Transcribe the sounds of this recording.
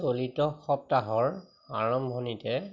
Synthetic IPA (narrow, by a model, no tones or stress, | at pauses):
olitɔxɔp̚taɦɔɹ | aɹɔmbʱonitɛ